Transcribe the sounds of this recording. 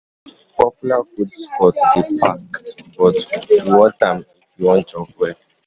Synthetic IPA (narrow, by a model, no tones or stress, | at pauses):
pɔpulafudskɔtdipakbɔtwɔtam̩ifiwɔ̃n̩t͡ʃɔfɛ